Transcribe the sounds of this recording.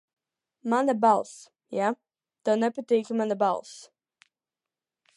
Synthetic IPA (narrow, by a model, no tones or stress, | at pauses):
mãnəbalˠs | ja | d̪̥onəpətekləmãnðəba̰lˠs